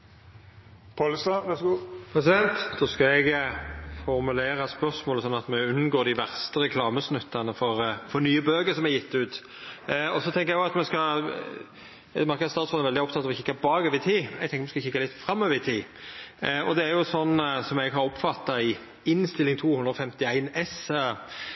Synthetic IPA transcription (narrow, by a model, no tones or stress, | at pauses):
pʰɑlsɑʋɛsɡupʰɾɛsɪd̪ɛnt̪d̪oskɑɛɡ | fɔɾmʉleːɾɑspœɾsmoːləsɔnːɑt̪mɛʉnːɡoːd̪ɪʋæʁst̪əɾɛkʰlɑːməsnʉt̪ːɑnəfɔɾfɔɾnyːəbøːɡəsɔmɛjɪt̪ːʉːt̪ | ɔsɔt̪ʰɛŋkəɾɛɡʊɑt̪mɛskɑ | mɑɾkəd̪sɑːt̪sfɔnɛɾʋɛld̪ɪɔp̚t̪ʰɑt̪ːɑʋɔɪçɪkːɑbɑːɡøːʋəɾɪt̪ʰiːɛɡt̪ɛŋkəɾmɛskɑçɪkːɑlɪt̪fɾɑmːøːʋəɪt̪ʰiː | ɔ̰d̪ɛæɾjʊsɔnːsɔmɛɡɦɑɾɔpːfɑt̪ːɑɪ | ɪnst̪ɪlːɪŋt̪ʰuːhʉnd̪ɾɔfɛmt̪ɪæɪnɛs